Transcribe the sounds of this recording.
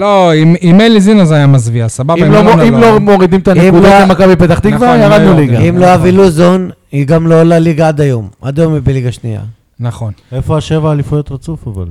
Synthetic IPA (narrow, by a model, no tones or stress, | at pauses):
loimimelizinazajamazviasababalooimlomoʁid̪imet̪aneimkud̪oemakabipet̪aχt̪iɡvajaʁadnuliɡɡaimloaviluzon | iɡamlo̞laliɡaad̪ajo̞ma̰d̪ajomibeliɡaʃnḭja̰ | naχo̞nefo̞aʃe̞vaːlifujo̞t̪ʁat͡sufava̰l